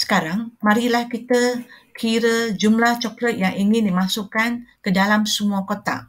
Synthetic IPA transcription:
sə̥kaɾaŋmaɾilahkit̪əkʰiɾəd͡ʒumlaht͡ʃɔklət̪̚jaŋiŋɪndimasukankədalamsəmuakot̪a̰

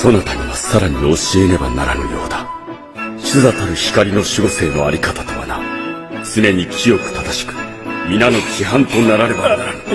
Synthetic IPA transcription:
so̞not̪amʲiβasaɾaɲ̟io̞ɕie̞ɾe̞ba̰na̰ɾa̰nɯ̟̰jo̞̰ːd̪a | ɕɨzat̪aɾɯ̟çi̥kaɾʲino̞ɕiɡo̞se̞ːno̞aɾʲikat̪ḁt̪o̞βa̰na̰ | t͡sɨne̞ɲ̟ikʲijo̞kɯ̟̥t̪ad̪aɕi̥kɯ̟̥ | mʲinano̞kʲiɦãnt̪o̞naɾaɾe̞banaɾanɯ̟

